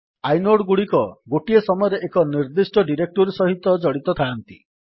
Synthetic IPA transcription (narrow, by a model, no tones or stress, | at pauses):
ajnoɽɡuɽikɔɡoʈiesɔmɔjɔɾeʔekɔniɾd̪isʈɔɖiɾek̚ʈuɾsɔɦit̪ɔd͡ʒɔɽit̪ɔt̪ʰaːnt̪ḭ